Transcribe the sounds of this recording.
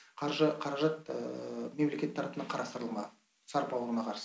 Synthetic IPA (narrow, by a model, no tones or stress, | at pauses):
qʰɑɾʒəqʰɑɾɑʒɑt̪ | me̞mle̞kʲe̞t̪ːʰɑɾɑpənɑqʰɑɾɑst̪əɾəlˠmɑ̰ | sɑɾpɑwəɾənɑqʰɑɾs